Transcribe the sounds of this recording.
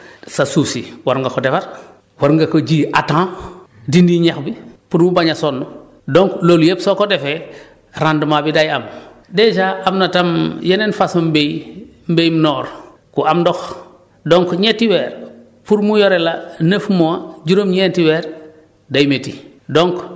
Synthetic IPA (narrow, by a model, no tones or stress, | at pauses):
sasusiwaɾŋɡakodefaɾ | waɾŋɡakod͡ʒiːʔatã | dindiɲexbipuɾmubaɲasonːu | doŋkloljepsokodefe | ɾandmabidajam | ded͡ʒaʔamnatamjenenfasombej | mbejmnɔːɾ | kuamdɔx | doŋkɲetiweːɾ | puɾmujoɾelanəfmowad͡ʒuɾomɲentiweːɾ | dajmeti | doŋk